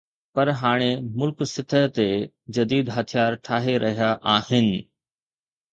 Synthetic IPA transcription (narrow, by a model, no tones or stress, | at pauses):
pɐɾɦaːɽ̃emʊlksɪt̪ʰəɦt̪e | d͡ʑɐd̪iːd̪ɦɐt̪ʰijaːɾʈʰaːɦeɾʔɐɦijaʔaːhɪnɪ̆